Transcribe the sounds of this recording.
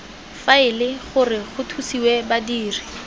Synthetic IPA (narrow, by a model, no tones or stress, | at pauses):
faɪlɪχʊrɪχʊtʰusiwɛbadiːrɪ